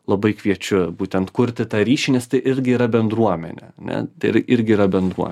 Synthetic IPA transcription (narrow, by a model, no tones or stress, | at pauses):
lˠɐbɐɪkʋʲiɛt͡ʃʲʊbuːt̪ʲɛnt̪kʊɾʲt̪ʲɪt̪ɑːɾʲiːʃʲinʲɛst̪ɐɪʔɪɾʲɡʲɪiːɾɐbʲɛnd̪ɾuɔmʲɛ̰nʲɛ̰ɐnʲɛ̰t̪ɐɪʔɪɾʲɡʲɪiːɾɐbʲɛnd̪ɾuɔ